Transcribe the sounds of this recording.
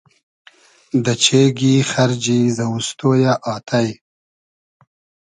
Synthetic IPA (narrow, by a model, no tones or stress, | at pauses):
d̪ət͡ʃʰeɡixaɾd͡ʒizawust̪ojaʔɑːt̪ʰaj